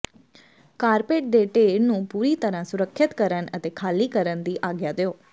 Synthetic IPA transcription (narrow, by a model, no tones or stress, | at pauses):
kaːɾpeːʈ̚ɖ̪eːʈeːnũːpuːɾiːt̪əɾãsʊɾəkʰːət̪kəɾənət̪eːkʰaːliːkəɾənd̪iːʔaːɡjaːd̪ejoː